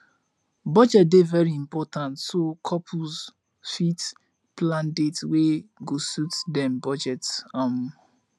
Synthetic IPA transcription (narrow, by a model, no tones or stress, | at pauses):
bɔd͡ʒɛt̚devɛɹiĩmpɔtãntsokʰɔpʰuz | fit | plãndetweɡosutdɛ̃mbɔd͡ʒɛtam